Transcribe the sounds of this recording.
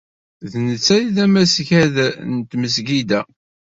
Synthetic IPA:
ðnət͡sːæjiðæmæsçæðnt̪məs̬ɡid̪æ

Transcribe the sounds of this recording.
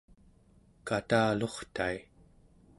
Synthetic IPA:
kat̪aːlo̞χt̪ai

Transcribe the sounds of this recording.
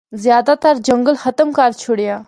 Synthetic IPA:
zjaːd̪at̪aɾd͡ʒɐŋɡəlxɐt̪əmkaːɾt͡ʃʰuɽja

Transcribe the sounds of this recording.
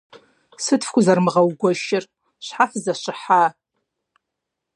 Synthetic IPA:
sɨtʰfkʷʰʼʊzarmʁawɡʷaʃɪr | ɕʷħafzaʃʷɨħa

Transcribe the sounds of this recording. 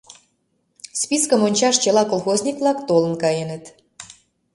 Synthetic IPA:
spiskəmonʲt͡ɕɑʃt͡ɕelɑkolˠxoznʲikvlɑkt̪olə̆nkɑjenə̆t̪

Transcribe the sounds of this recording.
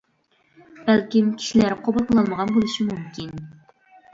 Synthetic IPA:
b̥ælkʲimkʲʰi̥ʃilæɾqʰobɨlˠqʰəlˠɑlˠməʁɑnbolˠɨʃimumkʲʰin

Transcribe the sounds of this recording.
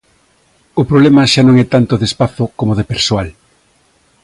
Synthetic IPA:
ʊpɾoβlɛmɐʃanõŋɛt̪ant̪oðespaθokomoðepeɾsoal

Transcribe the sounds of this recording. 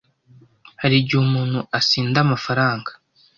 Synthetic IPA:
haɾiɾɟiuhumuːn̥huʔasiːndamafaɾaːŋɡḁ

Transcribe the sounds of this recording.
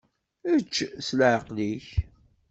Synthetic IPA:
ət͡ʃːslʕəqliç

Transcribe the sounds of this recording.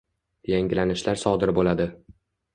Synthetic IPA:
jaŋɡʲlanɪʃlaɾsɒd̪ɪɾbolad̪ɪ

